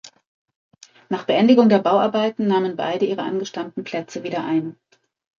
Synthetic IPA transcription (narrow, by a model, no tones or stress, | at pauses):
naːχb̥əʔɛndɪɡʊŋdeːɐbaʊʔaɐbaɪtn̩naːmənba̰ɪdəʔiːʁəʔa̰nɡəʃtamtn̩pʰl̥ɛt͡səviːdɐʔaɪn